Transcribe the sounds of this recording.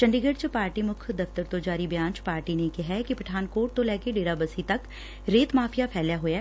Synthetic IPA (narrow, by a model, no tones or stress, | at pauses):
t͡ʃɐ̃ɳɖiɡəɖt͡ʃəpaːɾʈimʊkʰd̪ɐft̪əɾt̪od͡ʒaːɾibjãːɲt͡ʃpaːɾʈinekɪɦɛkipɐʈʰaːnkoːʈ̚t̪olɛːkeɖeːɾabəsit̪ɐk | ɾeːt̪maːfʰijapʰɛːljaɦoːɛː